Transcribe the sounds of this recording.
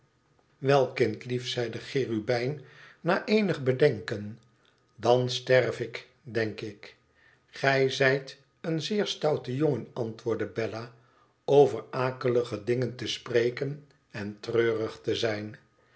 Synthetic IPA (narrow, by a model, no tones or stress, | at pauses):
ʋɛlˠkɪntlifsɛjdəχɪːrybɛjnnaːʔejnəχbədɛŋkən | dɑnstɛrvɪk | dɛŋkɪk | χɛjzɛjt | ənzɪːɹstɑwtəjoŋənɑntʋʊːɹdəbɛla | owvəɹaːkələχədɪŋəntəsprejkən | ɛntrøːrəχtəzɛjn